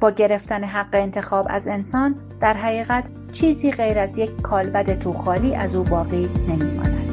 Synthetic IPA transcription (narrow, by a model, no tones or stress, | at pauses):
b̥ɒːɟe̞ɾe̞ft̪æne̞ɦæɢːeːnt̪ʰe̞xɒːbæ̰ze̞nsɒːn | d̪̥æɾɦæɣiːɣæt̪ | t͡ʃʰiːziːɢejɾæzje̞ckʰːɒːlbæd̪e̞t̪ʰuːxɒːliːʔæzuːbɒːɣiːne̞miːkʰo̰næd̪̥